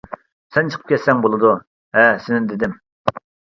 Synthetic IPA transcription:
sɛnt͡ʃʰə̥qʰəp̚kʲʰɛt̪sɛŋbolˠɨd̪u | hɛsɪnɪd̪ɪd̪ɪm

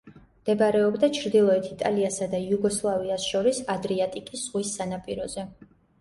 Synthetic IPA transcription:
md̪̥ɛbaɾɛɔbd̪at͡ʃʰɾd̪ilˠɔɛt̪ʰit̪ʼaliasad̪ajuɡɔslˠaviasʃɔɾisad̪ɾiat̪ʼikʼisz̥ʁwisːanapʼiɾɔzɛ

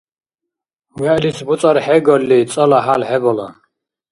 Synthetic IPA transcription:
wɛʔlisbut͡s̪ʼaɾħɛɡɔlːit͡s̪ʼɔlaɦalħɛbɔla̰

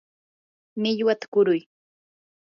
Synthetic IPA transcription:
mɪʎwat̪ḁkʊɾʊj

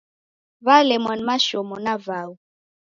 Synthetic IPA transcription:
valɛmwanmaʃɔmɔnavawu

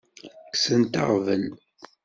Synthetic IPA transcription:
ksənt̪ɑ̰ʁvən

